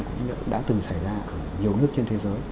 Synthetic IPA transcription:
ŋku˧˩ɲ̰˨˦nɨ˦˧˥əkɗa̰ː˧˥t̪ɨ˨˩ŋsa˧˩jzaː˧ʔəː˨˩ɲi˨˩əwnɨ˦˥ək̚t͡ɕe˧nt̪ʰe˨˦zəː˨˦j

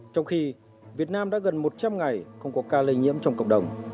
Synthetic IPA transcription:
t͡ɕɔ˧wŋ͡mxi˧ | vi˨˩ət̚naː˧mɗa̰ː˧˥ɣə˨˩nmo˨˩t̚t͡ɕa˧mŋa˨˩jxə˧wŋ͡mkɔ˨˦kaː˧lï˧ŋ̟ŋḭ˧˥əmt͡ɕɔ˧wŋ͡mkə̰˧˨wk͡p̚ɗə˨˩wŋ͡m

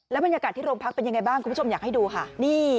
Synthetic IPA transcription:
lɛ˦˥wba˧njaː˧kaː˨˩t̪ʰːiː˥˩ɾoː˧ŋpʰa˦˥k̚pe˧nja˧ŋa˧jbaː˥˩ŋʰu˧mʰ˦˥t͡ɕʰo˧jaː˨˩kha˥˩jduː˧kʰa˥˩niː˥˩

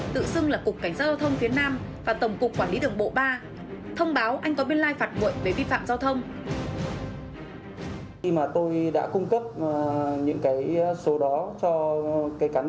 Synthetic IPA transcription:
t̪ɨ̰˧˨sɨ˧əŋlaː˨˩kʊ˨˩k͡pkːa˧˩jŋ̟aː˦˧˥zaː˧wt̪ʰə˧wŋ͡mfi˨˦ənaː˧mvaː˨˩t̪ə˧˩wŋ͡mkʊ˨˩k͡pkːwaː˧˩nli˨˦ɗɨ˨˩əŋɓo̰˧˨ɓaː˧ | t̪ʰə˧wŋ͡mɓaː˨˦wʔa˧jŋ̟kɔ˨˦ɓi˧ənlaː˧jfaː˨˩t̚mo̰˧˨jve˨˩vi˧fa̰ː˧˨mzaː˧wt̪ʰə˧wŋ͡m | maː˨˩t̪o˧jɗa̰ː˧˥kʊ˧ŋ͡mkə˦˥p̚ɲɨ̰˧˥ŋkaː˨˦jso˨˦ɗɔ˨˦t͡ɕɔ˧kaː˨˦jkaː˨˦

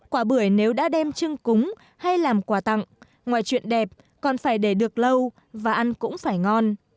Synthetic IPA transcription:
kwaː˧˩ɓɨ˧˩əjne˨˦wɗa̰ː˧˥ɗɛ˧mt͡ɕɨ˧ŋkʊ˨˦ŋ͡m | ha˧jlaː˨˩mkwaː˧˩t̪a̰˧˨ŋ | ŋwaː˧˨jt͡ɕwḭ˧˨ənɗɛ˨˩p̚ | kɔ˨˩nfaː˧˩jɗe˧˩ɗɨ˨˩ək̚lə˧w | vaː˨˩ʔa˧nkʊ̰˧˥ŋ͡mfaː˧˩jŋɔ˧n

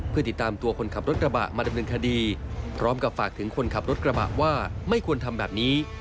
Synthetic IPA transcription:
pʰɯ˥˩i˨˩t̪ːaː˧mt̪u˧ɐkʰo˧nkʰa˨˩p̚ɾo˦˥t̪̚k̚ɾa˧ba̰˨˩ʔmaː˧da˧mnɤː˧nkʰa˧diː˧pʰɾɔː˦˥mka˨˩p̚faː˨˩k̚t̪ʰɯ˩˦ŋkʰo˧nkʰa˨˩p̚ɾo˦˥t̪̚kɾa˧ba̰˨˩ʔwaː˥˩ma˥˩jkʰu˧ənt̪ʰa˧mbɛː˨˩p̚niː˦˥

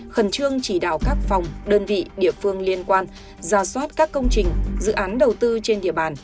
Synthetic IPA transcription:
xə˨˩nt͡ɕɨ˧əŋt͡ɕi˧˩ɗa̰ː˧˨wkaː˦˥k̚fa˨˩wŋ͡mɗəː˧nvḭ˧˨ɗḭ˧˨əfɨ˧əŋli˧ənkwaː˧n | zaː˧˩swaː˦˥t̚kaː˦˥kːə˧wŋ͡mt͡ɕï˨˩ŋ̟zɨ̰˧˨ʔaː˨˦nɗə˨˩wt̪ɨ˧t͡ɕe˧nɗḭ˧˨əɓaː˧˩n

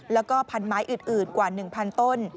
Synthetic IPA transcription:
lɛː˦˥wkɔː˥˩pʰa˧nmaː˦˥jʔɯː˨˩nʔɯː˨˩nkwaː˨˩nɯ˨˩ŋpʰa˧nt̪o˥˩n

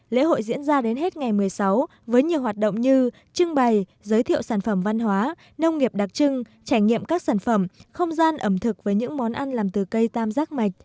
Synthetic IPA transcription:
lḛ˧˥ho̰˧˨jzḭ˧˥ənzaː˧ɗe˨˦nɦe˦˥t̚ŋa˨˩jmɨ˨˩əjsa˨˦w | vəː˨˦jɲi˨˩əwhɦaː˨˩t̚ɗo̰˧˨wŋ͡mɲɨ˧ | t͡ɕɨ˧ŋɓa˨˩j | zəː˨˦jt̪ʰḭ˧˨əwsaː˧˩nfə˧˩mva˧nɦwaː˨˦ | nə˧wŋ͡mŋi˨˩əp̚ɗa˨˩k̚t͡ɕɨ˧ŋ | t͡ɕaː˧˩jɲḭ˧˨əmkaː˦˥k̚saː˧˩nfə˧˩mxə˧wŋ͡mzaː˧nʔə˧˩mt̪ʰɨ˨˩k̚vəː˨˦jɲɨ̰˧˥ŋmɔ˨˦nʔa˧nlaː˨˩mt̪ɨ˨˩kə˧jt̪aː˧mzaː˦˥k̚ma˨˩jk̟̚

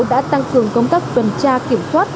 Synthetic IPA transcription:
ɗa̰ː˧˥t̪a˧ŋkɨ˨˩əŋkə˧wŋ͡mk̪a˦˥k̚t͡ɕ̪wə˨˩nt͡ɕaː˧ki˧˩əmswaː˦˥t̚

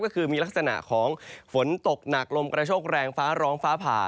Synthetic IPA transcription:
kɔː˥˩kʰɯː˧miː˧la˦˥k̚sa˧na̰˨˩ʔkʰɔː˩˦ŋfo˩˦nt̪o˨˩k̚na˨˩k̚lo˧mkɾa˧t͡ɕʰoː˥˩k̚ɾɛː˧ŋfaː˦˥ɾɔː˦˥ŋfaː˦˥pʰa̰ː˨˩

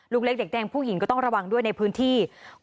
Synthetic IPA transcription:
luː˥˩kle˦˥k̚de˨˩k̚dɛː˧ŋpʰuː˥˩ji˩˦kɔː˥˩t̪ɔ˥˩ŋɾa˧wa˧ŋdu˥˩əjna˧jpʰɯː˦˥nt̪ʰiː˥˩

